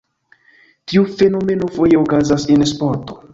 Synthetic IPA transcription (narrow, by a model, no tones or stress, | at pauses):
tiufe̞no̞me̞no̞fojeokazasenspoɾto